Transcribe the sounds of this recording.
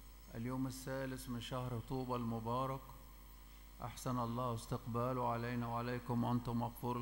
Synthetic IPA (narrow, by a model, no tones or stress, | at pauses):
ʔa̰ljoːmɪsːaːlɪsmɪnʃahɾt̪ˤuːbɑlmʊbɑːɾˤɑk | ʔa̰ħsanʔɑlˤːɑːhwɪst̪ɪqbaːluʕalajnawʕalajkʊmwʔant̪ʊmɑɣfuːɾ